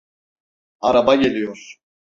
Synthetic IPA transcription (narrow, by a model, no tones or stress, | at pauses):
aɾabaɟe̞lʲijoɾ̥